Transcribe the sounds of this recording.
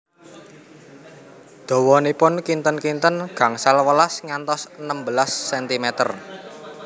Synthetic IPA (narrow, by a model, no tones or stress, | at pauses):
d̪̥ɔ̤wɔnipʊnkint̪ənkint̪ənɡ̥a̤ŋsalwəlasŋant̪ɔsənəmbəlasːɛnt̪imɛt̪ə̰r